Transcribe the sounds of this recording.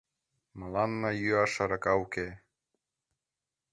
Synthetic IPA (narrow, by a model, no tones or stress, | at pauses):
mɤlɑnːɤjyɑʃɑɾɑkɑuke